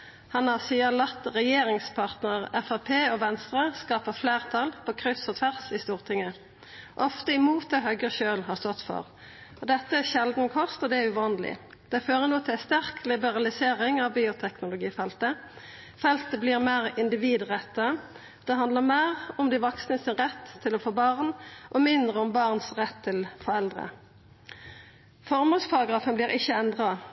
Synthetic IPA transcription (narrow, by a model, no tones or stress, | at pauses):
hɑnɑsiːəlɑt̪ːʁɛjeːɾɪŋspʰɑʁt̪nəʁɛfɑpʰeːɔʋɛnst̪ʁəskɑːpəfleːʁt̪ʰɑlpʰɔkʰʁʏsɔt̪ʰʋæʁsɪst̪uːʁt̪ʰɪŋːə | ʔɔft̪əɪmuːt̪ɛɦœɡəʃøːlɦɑʁst̪ɔt̪fɔ̰ʁ | ɔd̪ɛt̪ːəæʃɛld̪n̩kʰɔst̪ɔd̪ɛæʉʋɑːnlɪ̰ | d̪̥ɛɪføːʁənuːt̪ʰɪlst̪æʁklɪbəʁɑlɪseːʁɪŋɑʋbiːʊt̪ʰɛknʊlʊɡiːfɛlt̪ə | fɛlt̪əbliːʁmeːʁɪnd̪ɪʋiːd̪ʁɛt̪ːəə | d̪̥ɛɦɑnd̪ləmæɪʁʊmd̪ɪʋɔksnəsɪnʁɛt̪ʰːɪlɔfoːbɑʁnʔɔmɪnd̪ʁəʊmbɑʁnsʁɛt̪ʰːɪlfɔʁɛld̪ʁə̰ | fɔʁmoːspʰɑʁɑɡʁɑːfənbliːʁɪçːəɛnd̪ʁɑ